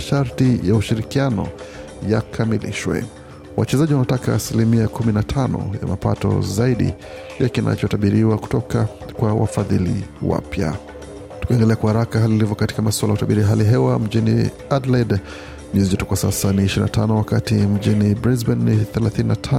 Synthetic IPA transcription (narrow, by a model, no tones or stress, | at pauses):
ʃaɾtijauʃiɾikianɔ̰ | jakʰamilḭʃwɛ̰ | wʔat͡ʃɛzaʄiwanatakaːsilimiakuminatʰanɔ̰ja̰mapa̰tɔ̰zaiɗḭ | jakinʔa̰t͡ʃɔtaɓiɾiwaku̥tɔka | kwawa̰faðilḭwa̰pja̰ | tu̥kaɛndɛlɛakwahaɾakaɦaliilivɔkati̥kamaswalajautaɓiɾiaɦaliɦɛwam̩d͡ʒinḭ | adlad | mɛzid͡ʒɛtukwasasaniːʃiɾinatʰanɔwakatim̩d͡ʒinibɾizbɛnːiθɛlaθininatʰa